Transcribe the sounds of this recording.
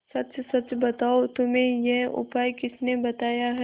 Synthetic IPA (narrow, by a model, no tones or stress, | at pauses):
sɐt͡ʃsɐt͡ʃbɐt̪aːot̪ʊmẽjɛɦʊ̰paːjkɪsnebɐt̪aːjaɦɛ